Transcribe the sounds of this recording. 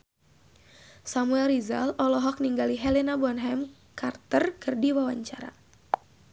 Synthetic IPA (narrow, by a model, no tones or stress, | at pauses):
samuɛlriza̰lɔlɔɦɔk̚niŋɡaliɦɛlenabɔnɦɛm | kart̪ərkɨrdiwawaɲt͡ʃaɾa̰